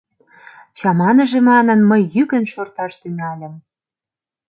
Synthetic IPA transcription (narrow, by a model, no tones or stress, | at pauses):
t͡ɕɑmɑnə̆ʒĕmɑnɤ̆nməjːykə̆nʃort̪ɑʃt̪yŋælʲə̆m